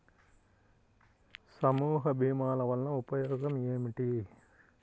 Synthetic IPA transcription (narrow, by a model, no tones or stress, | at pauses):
sɐmuːɦɐbʱiːmaːlɐʋɐnːɐupɐjɔːɡɐmeːmiʈi